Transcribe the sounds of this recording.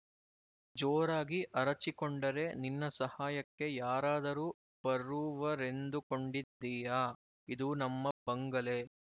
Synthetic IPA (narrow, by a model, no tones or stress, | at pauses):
d͡ʒoːɾaːɡiʔɐɾɐt͡ʃikoɳɖɐɾe̞ninːɐsɐhaːjɐkːe̞jaːɾaːd̪ɐɾuː | b̥ɐɾuʋɐɾe̞nd̪uko̞ɳɖid̪ːiːjaː | id̪unɐmːɐbɐŋɡɐle̞